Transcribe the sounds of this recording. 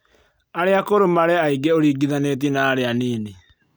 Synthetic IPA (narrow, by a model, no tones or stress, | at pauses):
aɾeakoɾomaɾɛaiɡeoɾiɡiðanet̬inaːɾeaneːne